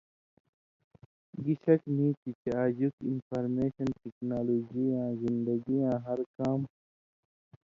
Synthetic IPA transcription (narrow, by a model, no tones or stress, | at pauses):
ɡiɕɐknĩːt̪it͡ɕaːd͡ʑukinfaɾmeːɕɐnʈiknaːloːd͡ʑijãːzind̪ɐɡijãːɦɐɾkaːm